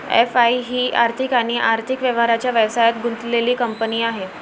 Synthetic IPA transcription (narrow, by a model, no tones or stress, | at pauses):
ḛfaiɦiːʔaɾt̪ʰikaɽ̃iʔaɾt̪ʰikʋjəʋɦaɾat͡ɕjaʋjəʋsajat̪ɡunt̪leliːkəmpəniːaɦe